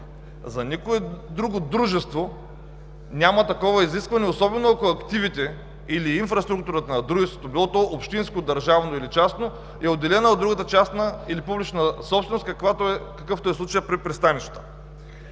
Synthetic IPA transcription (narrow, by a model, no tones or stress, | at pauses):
zɐnʲikoɛd̪ɾuɡod̪ɾuʒɛst̪vo | nʲamɐt̪ɐkɔvɐiziskvɐnɛosɔbɛnoɐkoɐkt̪ivit̪ɛ | iliːnfɾɐst̪ɾuk̚t̪uɾət̪ɐnɐd̪ɾuʒɛst̪vot̪obilˠɔt̪ɔʔopʃt̪inskod̪ɐɾʒavnoilit͡ʃasno | ɛod̪ːɛlɛnəod̪ɾuɡət̪ət͡ʃasnəilipublit͡ʃnəsɔpsvɛnoskɐkvat̪oɛkɐkɤft̪oɛslˠut͡ʃəjəpɾipɾɛst̪aniʃə̥t̪ə̥